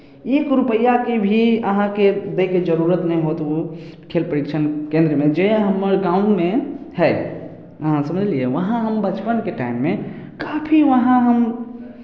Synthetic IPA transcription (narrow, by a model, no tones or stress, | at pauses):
ekɾupəjakebʱiəɦãked̪eked͡ʒəɾuɾət̪nɛĩɦot̪okʰelpɾəɾikt͡ʃʰənkẽnd̪ɾəmed͡ʒeɦəmːəɾɡauɳɖmeɦɛj | əɦãsəməd͡ʒʱliɛʋəɦãɦəmbət͡ʃpənkeʈaɪimːe | kapʰiʋəɦãɦəm